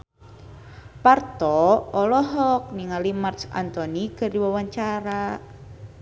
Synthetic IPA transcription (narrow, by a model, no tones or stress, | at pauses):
part̪ɔɔlɔɦɔk̚niŋalimart̪sa̰nt̪ɔniɡ̥ə̤ɾiwawaɲt͡ʃaɾa